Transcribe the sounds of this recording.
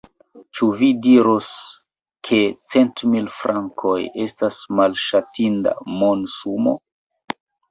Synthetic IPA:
t͡ʃuvidiɾos | kʰe̞t͡se̞ntmilfɾʔaŋkʰo̞je̞stasmalʃatinda̰mo̞nsumo̞̰

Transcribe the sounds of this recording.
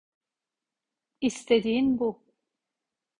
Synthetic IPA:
ist̪ʰed̪iːinbu

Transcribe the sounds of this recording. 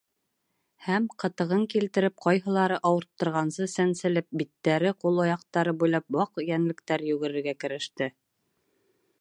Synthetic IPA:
hæmqɤ̆t̪ɤ̆ʁɤŋkilt̪ɘ̆ɾɘp̚qɑjɦɤ̆lˠɑɾɤʔɑwɤ̆ɾt̪ːɤ̆ɾʁɑnsɤsænsɘ̆lɘp̚bit̪ːæɾɘqulˠojɑq̚t̪ɑɾɤbujlˠɑp̚wɑqjænlɘ̆kt̪æɾjʉɡɘ̆ɾɘ̆ɾɡækɘ̆ɾɘ̆ʃt̪ɘ

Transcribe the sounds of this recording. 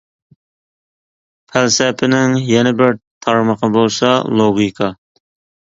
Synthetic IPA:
pʰælsɛpʰɪnɪŋjɛnɪbɪɾt̪ʰɑɾməqəbolˠsɑlˠoɡʲikʰɑ

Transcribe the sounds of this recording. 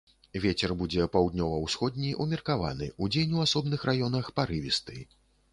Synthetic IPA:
vʲet͡sʲɛrbud͡zʲɛpawd̪nʲɔvɐwsxɔd̪̚ʲnʲiʔumʲirkava̰nɨ̰ud͡zʲenʲwasɔbn̪ɨxrajɔnɐxpaɾɨvʲist̪ɨ

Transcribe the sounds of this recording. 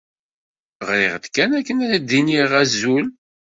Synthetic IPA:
ʁɾɪʁd̪kːænækːənæd̪iniʁæzul

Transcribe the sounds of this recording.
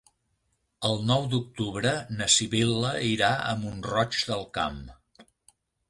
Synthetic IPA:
əlˠnɔwd̪uk̚t̪uβɾənəsiβilˠəiɾaə̰munrɔt͡ʃd̪əlˠka̰m

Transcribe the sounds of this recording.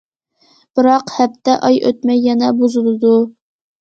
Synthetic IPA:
b̥ɨɾɑqhæp̚t̪ːɛʔɑjʔø̰t̪̚mɛjːɛnɛbozɨlˠɨd̪u

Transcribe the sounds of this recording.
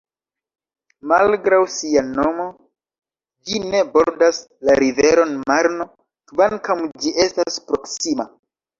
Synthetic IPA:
malɡɾawsiano̞mo̞ | d͡ʒine̞boɾdas | laɾive̞ɾo̞nmaɾno̞ | kvankawd͡ʒiʔe̞staspɾo̞ksima

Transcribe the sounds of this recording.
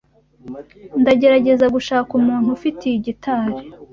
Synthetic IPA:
ndaɟe̞ɾaɟe̞zaɡuʃaːkumuːn̥hufitiiɟitʰaːɾe

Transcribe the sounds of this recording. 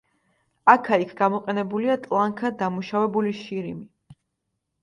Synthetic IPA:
akʰaikʰɡamɔqʼɛnɛbuliat̪ʼlˠaŋkʰad̪amuʃavɛbuliʃiɾimi

